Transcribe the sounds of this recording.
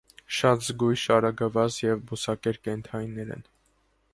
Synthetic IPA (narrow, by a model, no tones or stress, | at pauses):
ʃɑt̪zɡujʃɑɾɑɡəvɑt͡sjɛvbusɑkɛɾkɛnt̪ʰɑjnːɛɾɛ̰n